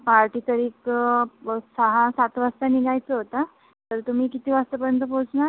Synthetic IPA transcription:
paɾʈiːt̪əɾiːk | səɦãsat̪ʋast̪aniɡʱajt͡səɦot̪a | t̪əɾt̪um̤iːkit̪iːʋast̪əp̬əɾjənt̪̬əpot͡sna

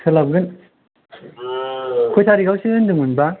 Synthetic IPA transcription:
sʰɯlab̚ɡɯn | kʰojtʰaɾiɡawsɯɯndɯŋunba

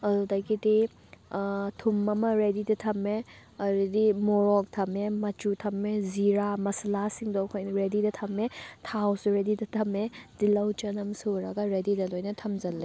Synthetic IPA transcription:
ɐdudajkidi | tʰumɐmɐɾedidɐtʰɐme | ɐɾidimɔɾɔk̚tʰɐmemɐt͡ʃutʰɐmeziɾamɐsɐlasiŋdowkʰojnɾedidɐtʰɐmetʰawsɾedidɐtʰɐmed̥ilɐwt͡ʃɐnɐmsuɾɐɡɐɾedidɐlojnɐtʰɐmzɐlːe

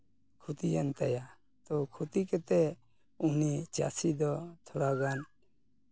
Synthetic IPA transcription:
kʰut̪ijənt̪əja | t̪ɔkʰut̪ikɛt̪ɛ | unit͡ʃa̰sid̪ɔt̪ʰoɽaɡan

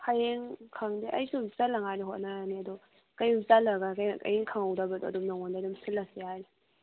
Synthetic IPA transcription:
kʰajeŋkʰaŋdiʔa̰jsuzalaŋajniɦɔtnaaniadɔ | kajzalaɡakajka̰jeŋkʰaŋawdabadɔɐdumnaŋɔndadumsʰɯlːasiajli

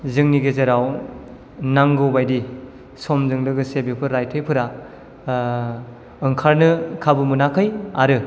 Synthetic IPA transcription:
zɯŋniɡezeɾaw | naŋɡɯwbajdi | sɔmzɯŋlɯɡɯsebepʰɯɾajtʰɯjpʰɯɾa | ɯŋkʰaɾnɯkʰabɯmɯnakʰɯjaɾɯ

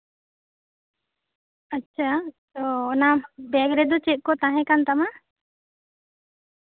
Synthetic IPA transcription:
ətːt͡ʃʰat̪oːnabɛɡɾed̪ɔt͡ʃeʔ̚kɔt̪ãɦɛ̃kant̪amã

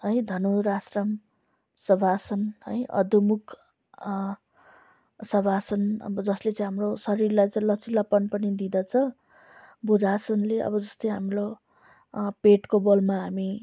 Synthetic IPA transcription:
ɦʌjd̪ʱʌnoɾasrʌm | sʌbʱasʌnɦʌ̰jʌ̰d̪umukʰ | sʌbʱasʌnʌ̰bʌd͡zʌslet͡sʌ̃ĩɦamrosʌɾirlajt͡sʌĩlʌt͡sʰilapʌnpʌnid̪id̪ʌt͡sʰʌ | bud͡zasʰʌnleʔʌ̰bʌd͡zʌst̪ʌjɦamro | peʈkobolmaɦami

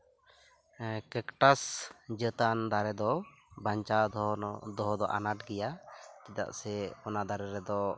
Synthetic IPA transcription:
kɛkʈasd͡ʒət̪and̪aɾɛd̪ɔ | baɲt͡ʃa | d̪ɔɦɔd̪ɔʔa̰naʈɡɛjat͡ʃid̪a̰ʔsɛɔnad̪ʱaɾɛɾɛd̪ɔ

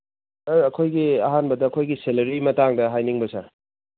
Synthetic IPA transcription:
ɐɾɐkʰojɡiɐɦanbɐdɐːkʰojɡiselɐɾimɐtaŋdɐɦajniŋbɐsa

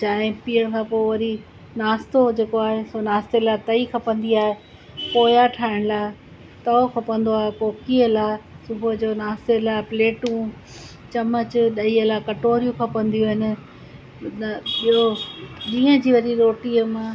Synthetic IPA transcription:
t͡ɕaːɦɪ̃piːəɽ̃kʰãːpoːʋɐɾi | naːst̪od͡ʑeːkoaːɦesonaːst̪elat̪ɐikʰɐpɐ̃nd̪iaːɦe | poːjaʈʰaːɪɽ̃laːe | t̪ɐokʰɐpə̃nd̪oaːɦepoːkiəlaːsʊbʱʊd͡ʑoːnaːst̪elaːpleːʈũ | t͡ɕɐmət͡ɕʊɗɐiəlakɐʈoːɾijũkʰɐpɐ̃nd̪ijuɦɪnɪ̆ | ɓijoɗĩːə̃d͡ʑiːʋɐɾiɾoːʈiːəmã

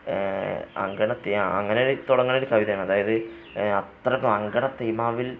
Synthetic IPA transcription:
ɐ̰ŋɡɐɳɐt̪ːejmaɐŋːɐnejoɽet̪uɽɐŋːɐnoɽukɐʋiðɐjɐmɐðaːjɐðɨ | ɐt̪rɐkːɐmɐŋɡɐɳɐt̪ɐjmaːʋil

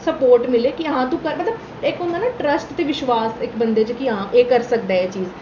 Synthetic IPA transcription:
səpoːɾʈmɪleːkiəɦãːt̪ũːkəɾmət̪ləb | ɪkʊnd̪aːnaːʈɾəsʈt̪eːʋɪʃʋaːsɪkbənd̪eːt͡ʃkiɦãːʔeːkəɾsək̚d̪aːɛːt͡ʃiːz

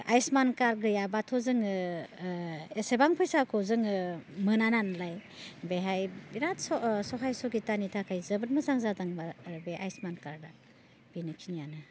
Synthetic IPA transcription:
a̰jsmankaɾɡɯjabatʰɔzɯŋɯ | esebaŋpʰɔjsakʰɔzɯŋɯmɯnananlaj | beɦajbiɾatsɔsɔɦajsɔɡitanitʰakʰajzɯbɯt̚mɯzaŋzazaŋbaɾbeʔajsmankaɾda | b̥inɯkʰinijanɯ

